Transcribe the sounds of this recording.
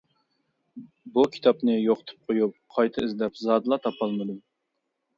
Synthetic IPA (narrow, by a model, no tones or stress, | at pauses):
bukʲʰi̥t̪ʰɑpnɨjoqə̥t̪ʰɨ̥p̚qʰojup̚qʰɑjt̪ʰɨizlɛpzɑːd̪ɨlˠɑt̪ʰɑpʰɑlˠmɨd̪u